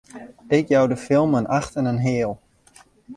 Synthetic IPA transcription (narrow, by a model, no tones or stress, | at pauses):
ɪkjawdəfɪlˠmənʔaxtənənɦɪːəlˠ